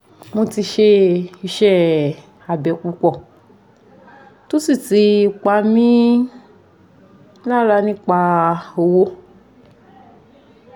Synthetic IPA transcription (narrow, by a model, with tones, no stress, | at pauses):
mo˧ti˧ʃe˧i˧ʃɛ˦ | a˨bɛ˨k͡pu˧k͡pɔ˦˨ | to˦si˦˨ti˧˦˧k͡pa˧˦mĩ˦ | nã˦la˧nĩ˦k͡pa˧o˧wo˧